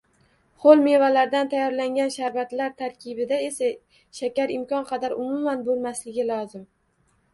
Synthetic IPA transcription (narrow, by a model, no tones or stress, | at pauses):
χolˠme̞valaɾd̪ant̪ʰajːɒɾlaŋɡʲanʃaɾvat̪laɾt̪ʰaɾkʲʰɪbɪd̪ae̞sa | ʃakʲaɾɪmkʲɒnqʰɑd̪aɾʊmʊmanbolˠmaslɪɡʲɪlˠɒzɪm